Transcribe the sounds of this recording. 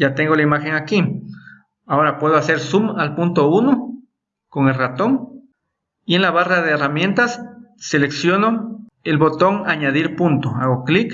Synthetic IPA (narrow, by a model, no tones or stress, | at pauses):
jat̪eŋɡolaimaxeŋaki | aoɾapweð̞oaseɾsumalpunt̪ouno | koŋelrat̪oŋ | ienlaβaraðeːramje̞nt̪asːeleksjono | elβot̪oŋaɲaðiɾpunt̪oa̰ɣoklik